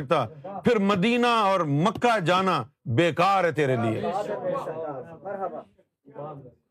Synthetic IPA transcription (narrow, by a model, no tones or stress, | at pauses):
k̚t̪aːpʰɪɾməd̪iːnaɔːɾməkːad͡ʒaːnabeːkaːɾɦɛt̪eːɾeliḛː